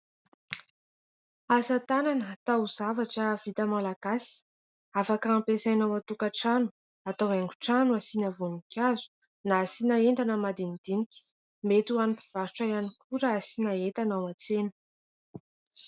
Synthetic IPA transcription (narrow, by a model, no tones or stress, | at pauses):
azət̪ananət̪auzavaʈ͡ʂəvit̪əmalaɡ̥asi̥ | afakampesajnawat̪ukaʈ͡ʂanu̥ | at̪aweŋɡuʈ͡ʂanuasinəvunikʰʲazu̥ | nasinaenɖ͡ʐ̪anəmad̪ind̪̥inikʲi̥ | met̪uanipiv̥aɾuʈ͡ʂajanikʰuɾəːsinaet̪anawat͡senə̥